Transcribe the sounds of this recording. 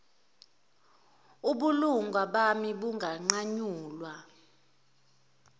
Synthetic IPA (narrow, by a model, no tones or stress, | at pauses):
uɓuluŋɡʱwaɓamiɓuŋʱaŋ͡ǀaɲuːlwa